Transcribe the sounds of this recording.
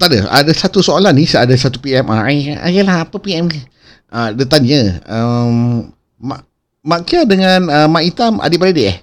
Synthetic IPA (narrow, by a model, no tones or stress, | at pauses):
t̪adə̰a̰dasat̪usoalanisadasat̪upiɛmʔaa̰jəlahapəpiɛmni | ʔədət̪anɲəəm | ma̰ | makiadəŋanəmaʔit̪amʔa̰dɪʔ̚bɾadiʔh